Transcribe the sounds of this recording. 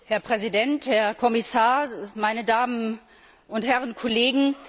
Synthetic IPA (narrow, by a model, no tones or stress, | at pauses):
hɛɐpʁ̥ɛzidɛnthɛɐkʰɔmɪsaːɐmaɪnədaːmən | ʊnthɛʁənkʰɔleːɡŋ̩